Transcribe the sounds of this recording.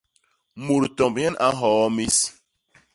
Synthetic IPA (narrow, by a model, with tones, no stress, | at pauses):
mu˨ɾtɔ˨mbɲɛ˦na˦ɦɔ˨ɔ˦mi˦s